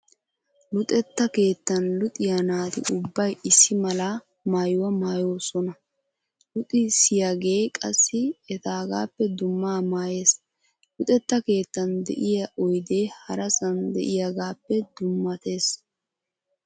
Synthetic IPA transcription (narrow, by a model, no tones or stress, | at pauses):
lʊt̪ʼɛt̪ːɐke̞ːt̪ːɐnlʊt̪ʼɪjɐnaːt̪ɪ̰ʔʊbːɐjɪsːɪmɐlɐ | maːjʊwɐmaːjo̞ːsɔnɐ | lʊt̪ʼɪsɪjaɡe̞ːkʼɐsːɪɛt̪aːɡaːpːɛd̪ʊmːaːmaːje̞ːs | lʊt̪ʼɛt̪ːɐke̞ːt̪ːɐnd̪ɛ̰ʔɪjɐʔɔjd̪eːhɐɾɐsɐnd̪ɛ̰ʔɪjɐɡaːpːɛd̪ʊmːɐt̪e̞ːs